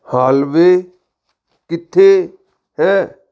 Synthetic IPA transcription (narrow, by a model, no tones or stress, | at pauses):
haːlʋeː | kɪt̪ʰːeː | ɦɛː